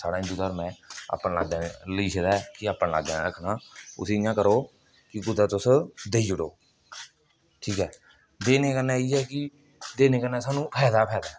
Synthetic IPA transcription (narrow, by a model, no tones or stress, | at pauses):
saːɽaːɪ̃d̪uːt̪aːɾmɛ̃ːa̰ːpnla̰ːɡd̪ãːneləiːsed̪aːɛkɪaːpnːla̰ːɡd̪aːnɾəkʰnaːʊ̰sɪjãːkəɾoː | kɪɡʊd̪aːt̪ʊsd̪eiːd͡ʒʊɽo̰ː | ʈʰiːkɛː | d̪eːneːkəɾnɛːiːɛːkɪ | d̪eːneːkəɾnːɛːsaːnũːpʰɛːd̪aːpʰɛːd̪aː